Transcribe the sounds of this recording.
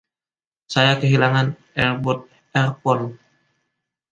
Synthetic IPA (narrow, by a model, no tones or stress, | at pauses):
sajakəɦilaŋan | ɛrbɔt̪̚ | ɛrpɔn